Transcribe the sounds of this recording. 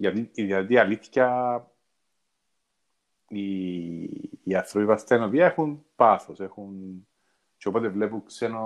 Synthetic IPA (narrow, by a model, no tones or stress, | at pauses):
jɐt̪iiðiɐt̪iɐliθçɐ | i | ɐθɾopipɐst̪enoviɐexunpaθosexun | t͡ʃeopot̪e̞vlepuŋkseno